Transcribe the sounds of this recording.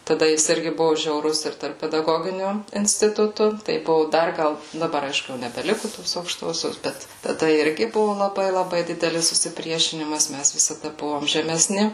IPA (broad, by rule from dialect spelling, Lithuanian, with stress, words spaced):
tɐˈdɐ ˈjɪs ˈɪrʲɡʲɪ ˈbʊʋʊ ʒʲɛʊˈrʊs ɪr tɐrp pʲɛdɐˈɡoːɡʲɪnʲʊ ɪnʲsʲtʲɪˈtʊtʊ tɐɪ ˈbʊʋʊ ˈdɐr ˈɡɐlˠ dɐˈbɐr ˈɐɪʃkʊ jɛʊ nʲɛbʲɛˈlʲɪkʊ toːs ɐʊkˈʃtoːsʲoːs ˈbʲɛt tɐˈdɐ ˈɪrʲɡʲɪ ˈbʊʋʊ lˠɐˈbɐɪ lˠɐˈbɐɪ ˈdʲɪdʲɛlʲɪs sʊsʲɪˈpʲrʲiɛʃʲɪnʲɪmɐs ˈmʲæs ʋʲɪsɐˈdɐ ˈbʊʋoːm ʒʲɛmʲɛˈsʲnʲɪ